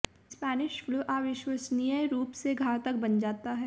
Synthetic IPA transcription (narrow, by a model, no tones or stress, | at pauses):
spɛːnɪʃfluːʔaːʋɪʃwəsnijəjɾuːpseɡʱaːɾt̪ək̚bɐnd͡ʒaːt̪aɦɛ